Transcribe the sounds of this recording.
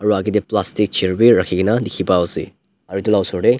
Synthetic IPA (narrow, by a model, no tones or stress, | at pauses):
ɐɾuaɡideplastik̚t͡ʃʰiɾbiɾakʰːiɡinɐdikʰibaɔsḭ | ɐɾitulawsoɾɾe